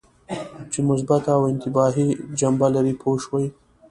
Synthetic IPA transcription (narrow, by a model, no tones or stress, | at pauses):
t͡ʃemʊs̬bat̪awɪnt̪ɪbɑɦid͡ʒambalaɾipʰoʃwaj